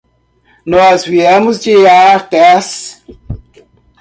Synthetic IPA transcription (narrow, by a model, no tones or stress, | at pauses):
nɔzviemʊzd͡ʒiaɾt̪ɛs